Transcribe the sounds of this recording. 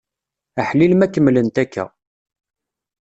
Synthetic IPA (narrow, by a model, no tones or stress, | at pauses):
aħlilmækːəmːlənt̪ækːæ̰